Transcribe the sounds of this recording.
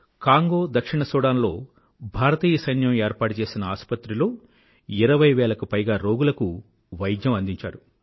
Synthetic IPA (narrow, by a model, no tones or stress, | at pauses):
kaːŋɡo̞ːd̪ɐkʂiɳɐsɔːɽaːnlo̞̰ː | bʱaːɾɐt̪iːjɐsɐjnjɐmeːɾpaːʈut͡ʃe̞ːsinɐaːspɐt̪ɾiloː | iɾɐʋɐjʋɛːɭɐkupɐjɡaːɾo̞ːɡulɐku | ʋɐjd̪jɐmɐnd̪iɲt͡ʃa̰ːɾu